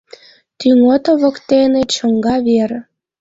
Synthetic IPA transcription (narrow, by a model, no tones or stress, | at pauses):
t̪yŋot̪ŏβə̆kt̪enet͡ɕə̆ŋɡɑβeɾ̆